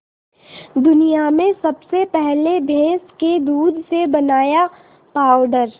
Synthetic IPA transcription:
d̪ʊnijamẽsɐbsepɛɦlebʱẽːsked̪uːd̪ʱsebɐnaːja | paːʊɖəɾ

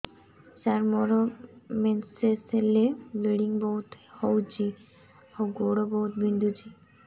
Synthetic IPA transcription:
saɾmɔɾomenseseleleɽiŋbɔwt̪howd͡ʑi | oɡoɽobɔut̪bind̪ʱud͡ʑi

